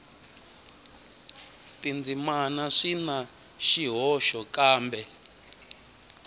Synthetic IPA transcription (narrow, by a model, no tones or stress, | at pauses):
tind͡zimanaʂina | ʃiɦɔʃɔkaːmbɛ